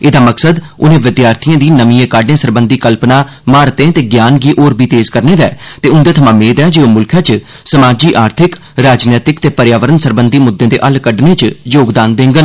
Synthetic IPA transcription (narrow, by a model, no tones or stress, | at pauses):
ed̪aːməksəd̪ʊnẽːʋɪd̪jaːɾt̪ʰiːãːd̪iːnəmiːẽːkaːɖnẽːsəɾbə̃nd̪iːkəlpnãː | maːɾt̪ẽːt̪eːɡjaːnɡiːʔoːɾbiːt̪eːzkəɾneːd̪ɛ̰ːt̪eːʊnd̪ẽːt̪ʰəmãːmeːd̪ɛːd͡ʒeːomʊlkʰjãːt͡ʃ | səmaːd͡ʒiːʔaːɾt̪ʰɪk | ɾaːd͡ʒnɛːt̪ɪkt̪eːpəɾjaːʋəɾənsəɾbənd̪iːmʊd̪ːẽːd̪ḛːʔəlkəɖnẽːt͡ʃjoːɡd̪aːnd̪ẽːŋɡən